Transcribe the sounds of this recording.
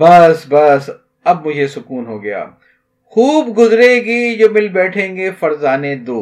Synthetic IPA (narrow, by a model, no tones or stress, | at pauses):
bɐsbɐs | ɐbmʊd͡ʒʱesʊkuːnɦoːɡɐja̰ː | xuːbɡʊzɾeɡid͡ʒoːmɪlbɛːʈʰẽːŋɡefɐɾzaːned̪oː